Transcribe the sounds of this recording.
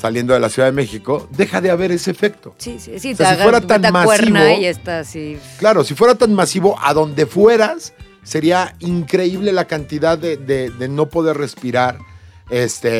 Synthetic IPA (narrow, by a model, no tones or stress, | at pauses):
salje̞nd̪oðe̞lasjuðaðeme̞xiko̞ðe̞xaðe̞aβe̞ɾe̞se̞ːfe̞kt̪o̞siseaasiweɾaanmasnβojest̪asiklaɾo̞sifwe̞ɾat̪anmasiβo̞ʔaðo̞nd̪e̞fwe̞ɾasː | e̞ɾiaiŋkɾe̞iβ̞le̞lakant̪iðaðeðeðe̞no̞po̞ðe̞ɾre̞spiɾaɾest̪e